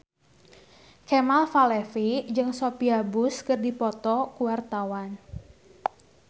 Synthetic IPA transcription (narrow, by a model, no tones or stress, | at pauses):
kemalfalɛfid͡ʒɨŋsopiabʊskɨrdipɔt̪ɔkuwart̪awan